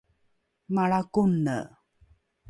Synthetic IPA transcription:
maɭakunːə̰

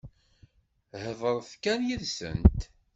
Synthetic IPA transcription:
həðˤəɾˤθkænjiðsə̰nt̪

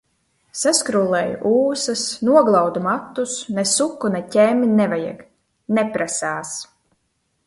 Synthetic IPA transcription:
saskɾulˠɛj̰ʔuːsɐsnuɔɡlˠawd̪umat̪ːusnɛsukːunɛcɛmʲnɛvajɛ̰ɡ | nɛpɾasaːs

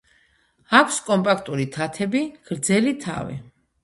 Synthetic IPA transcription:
akʷʰskʼɔmpʼakʰt̪ʼuɾit̪ʰat̪ʰɛbiɡ̥ɾd̪zɛlit̪ʰa̰vḭ

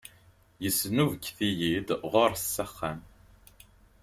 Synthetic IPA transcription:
jəsːnuvkːθijid̪ʁʊɾsːæχːæn

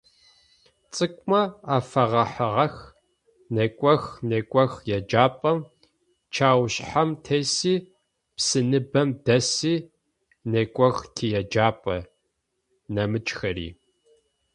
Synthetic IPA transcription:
t͡sʼɨkʷʼmɐaːfɐʁɐħəʁɐx | nekʷʼɔxneːkʷʼɔxjɛd͡ʒaːpʼɐm | t͡ʃʰaːwɕħamtʰeːsiː | psɨnɨbɐmdɐsiː | nekʷʼɔxtʰijɛd͡ʒaːpʼɐ | nɐmɨt͡ʃʼxɐɾḭː

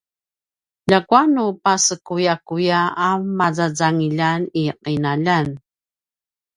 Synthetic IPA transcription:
ʎakwanupasəkujakujaːmːazad͡zaŋiʎaniqinaʎan

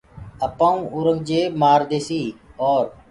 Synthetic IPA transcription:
əpãːũːʔʊːɾəŋɡd͡ʒeːmaːɾd̪eːsiːɔːɾ

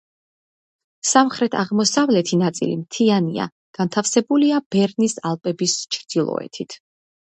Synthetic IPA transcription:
samχɾɛt̪ʰaʁmɔsavlɛt̪ʰinat̪sʼḭlḭmt̪ʰiania̰ | ɡ̥ant̪ʰafsɛbuliab̥ɛɾnisalˠpʼɛbist͡ʃʰɾd̪̥ilˠɔ̰ɛ̰t̪ʰit̪ʰ

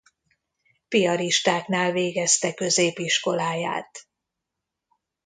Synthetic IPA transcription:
pijɒɾiʃt̪aːknaːlveːɡɛst̪ɛkø̞zeːpiʃko̞laːja̰ːt̪

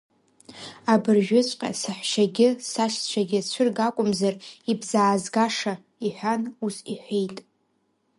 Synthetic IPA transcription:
abɨrʒᶣʊt͡ʃʷʼqʲʼa̰saħʷʃaɡʲɪsaʃt͡ʃʷʰaɡʲɪt͡ʃʷʰɨrɡakʷʼʊmzaribzaːzɡaʂa | iħʷᶣanusiħʷejtʼ

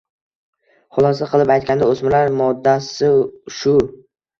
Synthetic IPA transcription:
χʊlˠɒsaqʰɨlˠɪpajt̪̚kʲand̪aosmɪlaɾmɒd̪ːasɪʃʊ

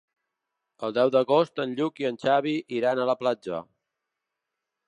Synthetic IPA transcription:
əlˠd̪ɛwd̪əɣost̪ənʎukiənt͡ʃaβ̞iʔiɾanələplad͡ʒə̰

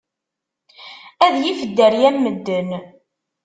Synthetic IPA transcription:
æðjifəd̪ːəɾjæmːəd̪ːən

